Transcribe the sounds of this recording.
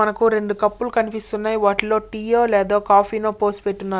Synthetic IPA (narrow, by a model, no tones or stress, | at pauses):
ɐnɐkuɾe̞ɳɖukɐpːulukɐnipist̪unːaːjiʋaːʈiloːʈiːoːlɛːd̪oːkaːpʰiːnoːpo̞ːsʈpeʈːunːaː